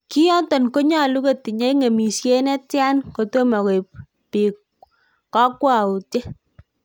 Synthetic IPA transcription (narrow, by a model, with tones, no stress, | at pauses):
ki˦jɔ˦ntɔ˨nko˦ɲa˦lu˦ke˦˨ti˨ɲe˦ŋe˨mi˨sje˦nɛ˦tja˦nko˨to˦ma˨ke˨p̚ | pi˨ | kɔ˦kwa˨u˨tje˦